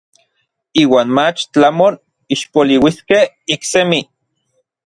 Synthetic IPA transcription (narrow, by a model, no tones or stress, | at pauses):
iːwaːnmat͡ʃt͡ɬamon | iʃpoliwiskeh | iksemi